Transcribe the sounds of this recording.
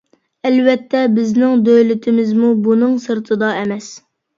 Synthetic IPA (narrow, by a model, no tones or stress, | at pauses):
ɛlvɛt̪ʰːɛbɪznɪŋd̪øjlɪt̪ʰɪmɪzmubunɨŋsɨɾt̪ʰɨd̪ɑɛmɛs